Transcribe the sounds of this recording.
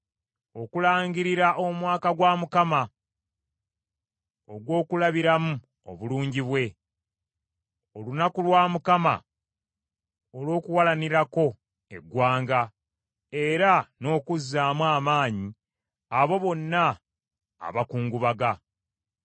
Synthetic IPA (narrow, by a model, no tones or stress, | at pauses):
o̞kulaːɲɡiɾiɾaʔo̞mwaːkaɡwaːmukama | oɡwo̞ːkulaβiɾamu | o̞̰βuluːɲɟiβwe̞ | o̞lunakulwaːmukama̰ | olo̞ːkuwalaniɾako̞ | e̞̰ɡwaːŋɡa | e̞ɾano̞ːkuzːaːmwaːmaːɲi | aβo̞βo̞nːa̰ː | βakuːŋɡuβaɡa